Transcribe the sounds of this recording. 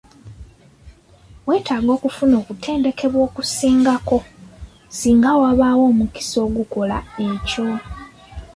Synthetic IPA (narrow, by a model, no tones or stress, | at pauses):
we̞ːtaːɡo̞ːkufuno̞ːkutʰe̞ːnde̞ke̞βwo̞ːkusiːŋɡako̞ | siːŋɡawaβawo̞ːmuki̥so̞ːɡuko̞la̰e̞co̞